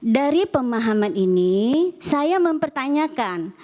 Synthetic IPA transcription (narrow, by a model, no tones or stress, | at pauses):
daɾipəmaɦamaninisajaməmpərt̪aɲakan